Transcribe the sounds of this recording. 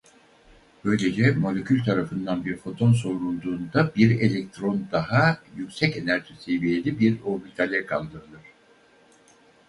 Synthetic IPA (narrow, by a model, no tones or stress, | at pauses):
b̥ø̞jlʲe̞d͡ʒɛmo̞lʲe̞cʰʲylʲt̪ʰaɾafɯnd̪anbiɾfo̞t̪ʰo̞nso̞ɾunˠd̪uːnd̪abiɾe̞lʲek̚t̪ʰɾo̞nd̪aɦajycsɛce̞næɾt̪ʰyse̞vije̞lʲibiɾo̞ɾbilʲt̪ʰalʲɛkʰa̰lˠd̪ɯɾɯlˠɯɾ̝̥